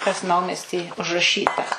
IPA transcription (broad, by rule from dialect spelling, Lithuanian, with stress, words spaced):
kɐs ˈnɐʊmʲɛsʲtʲiː ʊʒrɐˈʃʲiːtɐ